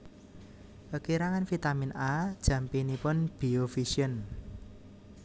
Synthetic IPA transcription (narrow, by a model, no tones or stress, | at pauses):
pəkiɾaŋanfit̪aminʔad̥ʒ̥ä̤mpinipʊnb̥i̤ofisiən